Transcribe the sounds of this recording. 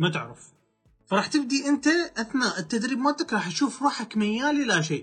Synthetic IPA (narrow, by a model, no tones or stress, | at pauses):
mat̪ɪʕɾɪf | fɑɾˤɑːħt̪ɪb̚d̪iʔɪnt̪aʔaθnaːʔɪt̪ːad̪ɾiːbmaːt̪akɾˤɑːħtʃuːfɾˤuːħakmajːaːlilaʃeːʔ